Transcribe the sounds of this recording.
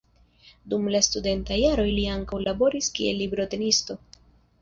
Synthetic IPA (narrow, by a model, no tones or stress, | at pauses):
dumlastude̞ntajaɾo̞jliaŋkawlabo̞ɾiskie̞̰lːibɾo̞te̞nisto̞